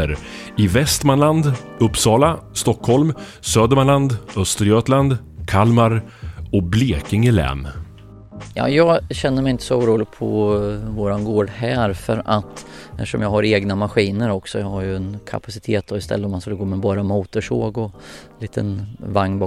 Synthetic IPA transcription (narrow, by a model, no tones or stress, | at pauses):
əɾɪvɛst̪manland̪ɵpːsɑːlast̪ɔkʰːhɔlm | søːd̪əɾmanland̪œst̪əɾjøːt̪land̪kʰalmaɾ | ɔbleːkɪŋɪlɛ̰ːn | jɑ̰ːjɑːɡɕɛnːəmɛjɪnt̪ə̥sɔuːɾuːlɪɡ̚pʰɔ̰voːɾanɡoːɖhɛːɾfœ̰ɾat̪ | ɛft̪ə̥ʂɔ̰mjɑːɡhaɾeːɡnamaɧiːnəɾɔksɔjɑːɡhajɵɛnkʰa̰pasɪ̥t̪ʰeːt̪̚d̪ɔɪst̪ʰɛ̰lːəɔmːanskɵlːəɡoːmɛbɑːɾamuːt̪əʂo̰ːɡɔliːt̪ʰə̰nvaŋnbː